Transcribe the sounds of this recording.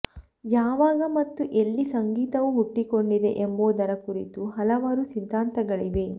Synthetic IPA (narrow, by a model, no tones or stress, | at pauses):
jaːʋaːɡɐmɐt̪ːuʔelːisɐŋɡiːt̪ɐʋuɦuʈːiko̞ɳɖid̪e̞ʔemboːd̪ɐɾɐkuɾit̪uɦɐlɐʋaːɾusid̪ʱːaːnt̪ɐɡɐɭiʋe̞